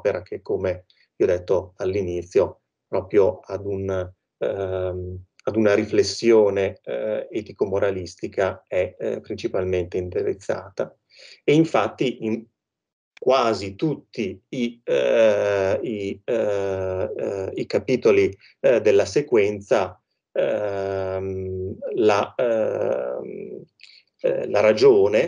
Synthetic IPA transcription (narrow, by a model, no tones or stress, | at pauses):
peɾʔakekːome | viɔd̪et̪ːoalːinit̪sːjo | pɾɔːpɾjoad̪un | ad̪unaɾiflesːjoːneɛt̪ikomoɾʔalist̪ikaɛpːɾint͡ʃipalment̪eint̪eɾḛt̪sːa̰ːt̪a | eiɱfat̪ːiʔiŋ | kwaːzit̪ut̪ːiː | i | ikapiːt̪oli | d̪elːasekwɛnt̪sa | la | laɾad͡ʒoːne